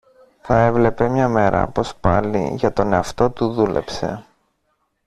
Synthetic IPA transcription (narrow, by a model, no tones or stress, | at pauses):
θɐe̞vle̞pe̞mɲɐme̞ɾʔɐ̰po̞spɐ̰lḭʝɐt̪o̞ne̞ɐft̪o̞t̪uðule̞̰pse̞̰